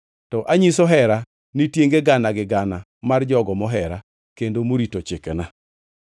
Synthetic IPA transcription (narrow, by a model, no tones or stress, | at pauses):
tɔʔaɲisɔɦɛɾa | nitjeŋɡeɡanaɡɪɡana | mard͡ʒɔɡɔmɔɦɛɾa | kendomoɾitot͡ʃekɛna